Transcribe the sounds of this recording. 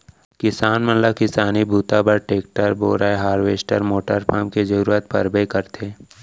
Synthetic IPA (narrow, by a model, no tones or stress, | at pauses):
kɪsaːnmət̪ləbkɪsaːnibʱuːt̪abəɾʈeːk̚ʈəɾboːɾaeɦaːɾʋeːsʈəɾmoːʈəɾpã̰ːmked͡ʒəɾuːɾət̪̚pə̰ɾbekəɾt̪ʰeː